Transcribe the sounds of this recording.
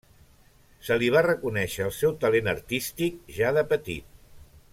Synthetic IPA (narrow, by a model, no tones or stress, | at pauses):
səliβ̞arəkunɛʃəːəlˠsɛwt̪əlenə̰rt̪ist̪ik̚ʒaðəpət̪ḭt̪̚